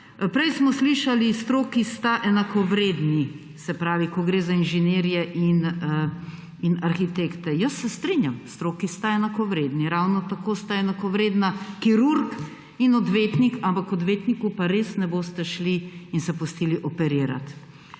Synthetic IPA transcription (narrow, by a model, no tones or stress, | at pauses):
pɾɛjsmɔsliʃalist̪ɾoːkist̪aʔɛnakɔʋɾed̪ni | sɛpɾaːʋikɔɡɾeːzainʒɛneːɾijɛʔin | inaɾxit̪ekt̪ɛjəsːɛst̪ɾinjamst̪ɾoːkist̪aɛnakɔʋɾeːd̪niɾawnɔt̪akoːst̪aɛnakɔʋɾeːd̪nakiɾuɾk | inɔd̪ʋet̪nikampakɔd̪ʋeːt̪nikupaɾeːsnɛboːst̪ɛʃliinsɛpust̪iːliʔɔpɛɾiːɾa̰t̪